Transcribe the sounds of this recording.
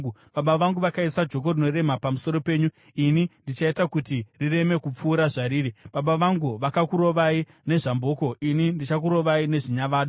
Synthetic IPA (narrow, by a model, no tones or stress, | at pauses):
ɓaɓaʋaŋɡuʋakaisad͡ʒo̞k̬o̞rino̞re̞mapamuso̞ɾo̞pe̞ːɲu | inindit͡ʃaitakutirire̞me̞kup͡fuːɾaʐaɾiːriɓaɓaʋaŋɡuʋakakuɾo̞ʋai | ne̞ʐambo̞ːko̞ʔinindit͡ʃak̬uɾo̞ʋaine̞ʐiɲaʋaːɗu